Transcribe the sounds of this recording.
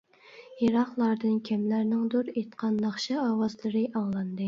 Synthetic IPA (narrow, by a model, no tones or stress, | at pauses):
jeɾɑχlˠɑɾd̪ɨnkʲʰɛmlæɾnɪŋd̪uɾet̪qʰɑnːɑχʃɛɑːwɑzlˠɨɾɨʔɑŋlˠɑnd̪ɨ